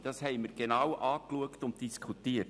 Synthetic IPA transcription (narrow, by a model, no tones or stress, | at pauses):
d̥ɑshɛɪməɾɡ̥enɑwʔɑːkluəktʊnt̚d̥iskʰutiːət